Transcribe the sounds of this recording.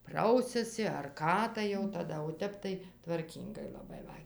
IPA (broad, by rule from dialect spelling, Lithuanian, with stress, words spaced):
ˈprɐʊsʲɛsʲɪ ɐr ˈkɑː tɐɪ jɛʊ tɐˈdɐ oː ˈtʲɛp tɐɪ tʋɐrʲˈkʲiːŋɡɐɪ lˠɐˈbɐɪ ʋɐ